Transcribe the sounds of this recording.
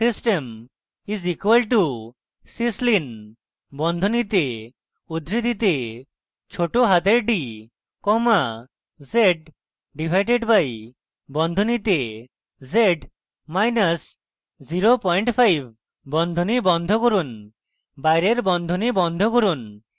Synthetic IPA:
sisʈem | izikwalʈu | sislin | bɔnd̪ʱonit̪e | ud̪ʱɾid̪ʱit̪e | t͡ʃʰoʈoɦat̪eɾɖi | kɔma | zeʈ̚ | ɖibʱajʈeɖbaj | bɔnd̪ʱonit̪e | zeʈ | majnas | ziɾopɔjɳʈpʰajb̚ | bɔnd̪ʱonibɔnd̪ʱɔkoɾun | bajɾeɾbɔnd̪ʱɔnibɔnd̪ʱɔkoɾun

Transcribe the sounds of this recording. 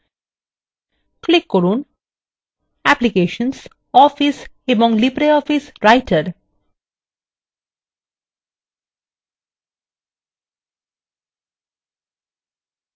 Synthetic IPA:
klɪkːoɾũːn | æplikeːʃə̃ns | ɔːfɪs | emɔ̃ŋlipɾeɔfɪsɾaɪʈʰəɾ

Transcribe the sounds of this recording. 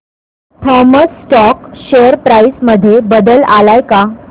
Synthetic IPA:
t̪ʰɔməsːʈɔkɕeəɾpɾaisməd̪ʱːjebəd̪əlalajka

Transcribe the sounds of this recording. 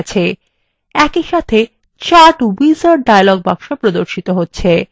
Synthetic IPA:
t͡ɕʰe | ɛkiʃat̪ʰe | t͡ɕaʈuwizaɾɖajlɔɡ̚baŋʃopɾod̪oɾʃit̪oɦotːɕʰe

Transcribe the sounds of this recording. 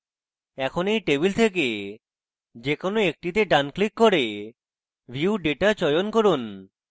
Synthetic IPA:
ɛkʰonejʈeβilt̪ʰek̬e | d͡ʑekonoek̚ʈit̪̬eɖanklikːɔɾe | bʱiuɖeʈaɾt͡ɕɔjonkoɾun

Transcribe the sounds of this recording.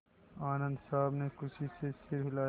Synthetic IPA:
aːnə̃nd̪sʌːbnekusʰisesiɾɦila

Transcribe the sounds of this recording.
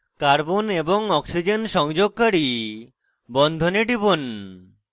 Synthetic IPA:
kaɾbonebɔŋɔksid͡ʑenʃɔŋd͡ʒoɡ̚kaɽi | bɔnd̪ʱoneɖibon

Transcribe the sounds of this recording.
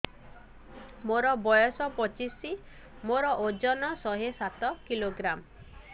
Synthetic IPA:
moɾɔbɔjɔsɔpɔt͡ʃisi | moɾɔʔod͡ʒɔnɔsɔɦesat̪ɔkiloɡɾam

